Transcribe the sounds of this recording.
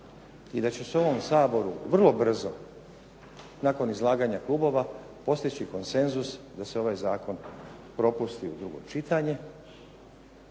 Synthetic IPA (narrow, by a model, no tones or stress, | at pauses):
id̪at͡ɕeso̞ʋo̞msaːbo̞ɾuʋr̩lˠo̞br̩zo̞ | naːko̞nizlˠaːɡaɲaklˠuːbo̞ʋa | po̞st̪it͡ɕiko̞nse̞nzus | d̪aseo̞ʋaːjzaːko̞npɾo̞pust̪iud̪ɾuɡo̞̰t͡ʃit̪aɲe̞